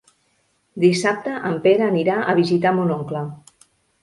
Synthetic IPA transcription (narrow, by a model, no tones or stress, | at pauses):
d̪isap̚t̪əʔəmpeɾaːniɾaʔə̰βizit̪amunoŋkla